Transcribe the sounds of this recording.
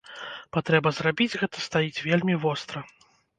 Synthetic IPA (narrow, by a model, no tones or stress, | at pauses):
pat̪ɾɛbɐzrabʲid͡zʲɣɛt̪ɐ̥st̪ajit͡sʲvʲelʲmʲivɔst̪ɾɐ